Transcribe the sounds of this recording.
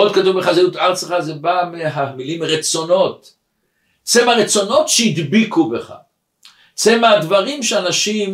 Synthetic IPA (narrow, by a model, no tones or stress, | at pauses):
od̪̚katuvbeχazeut̪aʁt͡seχazebameɦamilimʁet͡so̞no̞t̪ | t͡semaʁet͡so̞no̞tʃeid̪bikubeχa̰ | t͡semaad̪vaʁimʃeanaʃim